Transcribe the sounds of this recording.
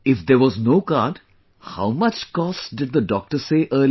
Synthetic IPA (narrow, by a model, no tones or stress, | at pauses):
ɪfd̪əɾʋɔznoːkaːɾɖ | ha̰ʊmʌt͡ʃkɔːstɖɪɖ̪̚d̪əɖɔːk̚ʈəseːʔəːl